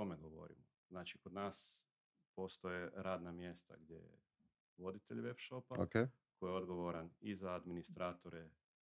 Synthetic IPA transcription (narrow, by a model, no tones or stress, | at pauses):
o̞meɡo̞ʋo̞̰ɾḭmo | znaːt͡ʃiko̞d̪naːs | po̞ːst̪ojeɾaːd̪namje̞st̪a̰ɡd̪ʲjḛjḛ | ʋo̞d̪it̪eʎʲʋepʃopaoke | kojeod̪ɡo̞ʋoɾanizaːd̪minist̪ɾʔaːt̪o̞ɾe